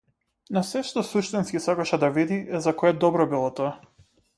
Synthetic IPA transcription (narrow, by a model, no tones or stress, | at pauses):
nasɛʃt̪ɔsuʃt̪inskisakaʃɛd̪avid̪iɛzakɔɛd̪ɔbɾɔbilˠɔt̪ɔa